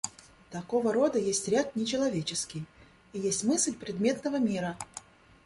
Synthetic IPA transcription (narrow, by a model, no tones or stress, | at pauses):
t̪ɐkovəɾo̞d̪əjesʲtʲɾʲat̪̚nʲɪt͡ɕɪlˠɐvʲet͡ɕɪskʲɪj | ijesʲtʲmɨslʲpɾʲɪd̪mʲe̞t̪nəvəmʲiɾə